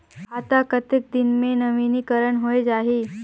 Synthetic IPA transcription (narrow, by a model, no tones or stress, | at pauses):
ɦat̪akət̪ek̚d̪ɪnmẽnɐʋinikəɾəɳɦoed͡ʒaːɦiː